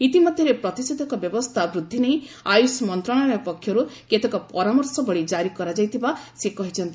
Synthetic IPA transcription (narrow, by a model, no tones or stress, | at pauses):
it̪imɔd̪ʱjɔɾepɾɔt̪ised̪ʱɔkɔbjɔbɔst̪ʰabɾud̪ʱːinei | ajusmɔnt̪ɾɔɽ̃aɭapɔkʰːjɔɾuket̪ʰɔkɔpɔɾamɔɾsɔbɔɭid͡ʒaɾikɔɾad͡ʒajt̪ʰibasekɔɦit͡ʃʰɔnt̪i